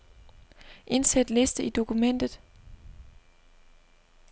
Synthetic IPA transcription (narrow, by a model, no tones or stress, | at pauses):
ʔe̝nsæd̥le̝sd̥əid̥o̝kʰumen̰d̥ð̞̩ˠ